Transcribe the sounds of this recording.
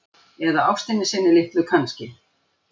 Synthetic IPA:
ɛðaawfst̪ɪnːɪsɪnːɪlɪht̪lʏkʰanscɪ

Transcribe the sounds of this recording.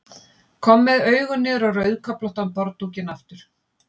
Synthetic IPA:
kʰɔmːɪðœːɥɣʏnːɪɾawrœɥðkʰœplɔht̪ampɔɾt̪ucɪnaft̪ʏɾ̥

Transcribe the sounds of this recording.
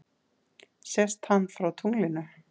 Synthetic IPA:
sɛst̪hanːfɾawt̪ʰuŋlɪnʏ

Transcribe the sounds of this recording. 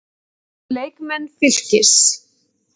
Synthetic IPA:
leːjkmɛnːfɪl̥cɪ̥s

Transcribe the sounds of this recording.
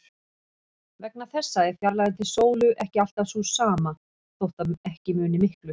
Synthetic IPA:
vɛk̚naθɛsːaɛɾ̥fjaɾlaðɪnt̪ʰɪlsoːwlʏʔɛhcɪal̥t̪asusaːma | θowht̪aɛhcɪmʏːnɪmɪhklʏ

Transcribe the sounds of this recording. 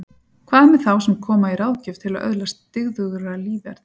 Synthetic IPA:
kʰvaːðmɛθawsɛmkʰɔːmaiɾawðcʏvt̪ʰɪlaðʔœ̰ðlast̪ːɪɣðʏɣɾaliːðɛ̰ɾ̥t̪

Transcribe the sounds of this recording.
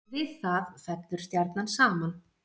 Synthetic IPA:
vɪðθaðfɛt̪lʏɾ̥st̪jaɾt̪nansaːman

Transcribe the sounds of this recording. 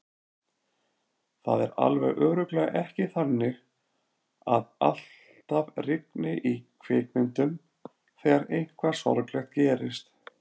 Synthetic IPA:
θa̰ðɛɾa̰lvɛɣʔœːɣɾʏklɛːɣaʔɛhcɪθanːɪɣ | aða̰l̥ | t̪avrɪknɪʔikʰvɪːknɪnt̪ʏm | θɛːɣaɾejŋ̥kʰvḁsɔ̰ɾklɛxt̪̚cɛːɾɪst̪

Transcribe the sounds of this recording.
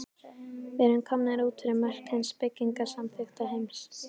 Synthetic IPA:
ɛɾɪnkʰamnɪɾuːt̪ʰɪɾɛmɛr̥khɛnspɪcːiŋkasamθɪxt̪aɦejms

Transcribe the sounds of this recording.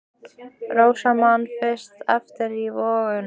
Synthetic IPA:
roːwsamanfɪst̪ɛ̰ft̪ɪɾivɔːɣʏn

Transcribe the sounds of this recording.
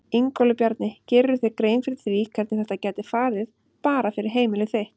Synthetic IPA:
iŋkɔlʏpjaɾt̪nɪcɪɾːʏθekɾeːjnfɾɪθvikʰɛɾt̪nɪθɛht̪acɛːt̪ɪfaːɾɪð | paːɾafɪɾɪɾ̥ɦeːjmɪlɪθejht̪

